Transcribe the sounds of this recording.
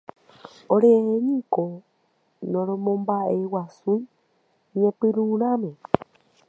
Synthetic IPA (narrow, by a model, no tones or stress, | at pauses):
oɾeeɲĩko | nõɾõmõmbaʔewasui | ɲẽpɨɾuɾãmẽ